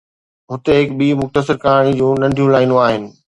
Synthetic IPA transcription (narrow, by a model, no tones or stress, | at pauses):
ɦʊt̪eɦɪkɓiːmʊxt̪əsɪɾkaːɾɽ̃id͡ʑũːnɐ̃ɳɖʱijũlaːinõaːɦɪnɪ̆